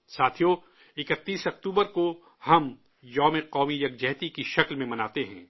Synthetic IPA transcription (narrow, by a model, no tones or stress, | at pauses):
saːt̪ʰijo | ɪkət̪ːiːsɐk̚t̪uːbəɾko | hɐm | jɔːmeqɔːmijɐɡ̚d͡ʒɛɦt̪ikiʃɐklmẽmɐnaːt̪eɦɛ̰̃ː